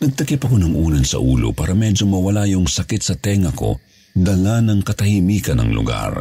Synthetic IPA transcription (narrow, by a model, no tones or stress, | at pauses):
nɐɡ̚t̪ɐkɛpɐkonɐŋʔuːnɐnsɐ̰ʔuːlo̰paːɾɐmɛd͡ʒomɐwɐlajʊŋsɐkɛt̪sɐt̪ɛŋɐko̞̰ | d̪ɐlanɐŋkɐt̪ɐhiːmiːkɐnɐ̰ŋlʊ̰ɡa̰ɾ